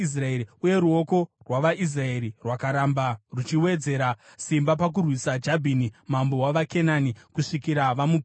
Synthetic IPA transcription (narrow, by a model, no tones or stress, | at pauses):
is̬raeɾiuje̞ɾuo̞ko̞rwaʋaʔis̬rae̞ɾirwakaɾambarut͡ʃiwe̞d͡ze̞ɾasimbapak̬urwisad͡ʒabʱinimambo̞waʋake̞nanikuʂikiɾaʋamup